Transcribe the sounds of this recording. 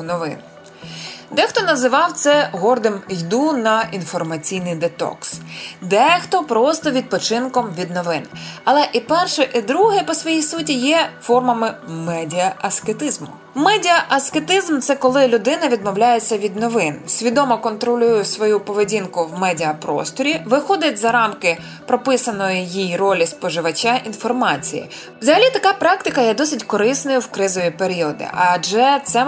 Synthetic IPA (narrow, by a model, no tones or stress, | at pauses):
nɔʋɪ̰n | d̪ɛxt̪ɔnɐzɪʋɑwt̪sɛɦɔrd̪ɪmjd̪unɐʔinfɔrmɐt͡sʲijnɪjd̪et̪ɔ̰ksd̪ɛxt̪ɔpɾɔst̪ɔʋʲid̪̚pɔt͡ʃɪnkɔmʋʲid̪nɔʋɪnɐlˠɛʔipɛrʃɛʔid̪ɾuɦɛpɔsʋɔjijsutʲijɛfɔrmɐmɪmɛdʲiɐɐsket̪ɪzmʊ̰ | mɛdʲiɐʔɐsket̪ɪzmt̪sɛkɔlˠɪlʲʊd̪ɪnɐʋʲid̪mɔwlʲajet͡sʲːɐʋʲid̪nɔʋɪnsʲʋʲid̪ɔmɔkɔnt̪ɾɔlʲujʊsʋɔjupɔʋedʲinkʊwmɛdʲiɐpɾɔ̰st̪ɔɾʲiʋɪxɔd̪ɪtʲzɐɾɑmkɪ | pɾɔpɪsɐnɔjɪjijrɔlʲispɔʒɪʋɐt͡ʃʲaʔinfɔrmɑt͡sʲḭjḭ | zɐɦɐlʲit̪ɐkɑpɾɑkt̪ɪkɐjɛd̪ɔsɪtʲkɔɾɪsnɐjʊwkɾɪzɔʋʲipeɾʲiɔd̪ɪ̰ʔɐʒɛt̪sɛ